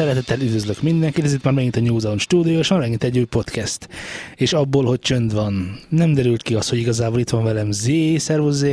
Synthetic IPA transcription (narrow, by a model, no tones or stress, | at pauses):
sɛɾɛt̪ɛt̪ːɛlyd̪vøzløkmind̪ɛŋkit̪ɛzit̪maːrmɛɡint̪ɛɲuːzɒlonʃt̪uːd̪ijoʃaɾmɛɡint̪ɛɟːuːjpo̞t̪kɛst̪eːʃɒbːoːlho̞c̚t͡ʃø̞nd̪ʋɒnːɛmd̪ɛɾylt̪kiɒst̪hoɟiɡɒzaːboːlit̪ʋɒɱvɛlɛmzeːsɛrvozeː